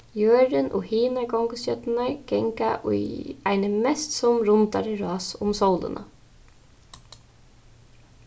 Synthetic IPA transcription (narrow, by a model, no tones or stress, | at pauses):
jøːɾɪnʔo̰ːhiːnakɔŋkəsœt̪ɪnaɹɡ̥ɛŋkaʔʊ̰jaɪnəmɛst̪sɔmɾʊnt̪a̰ɾəɾɑːsʊmsɔwlə̰nʔa̰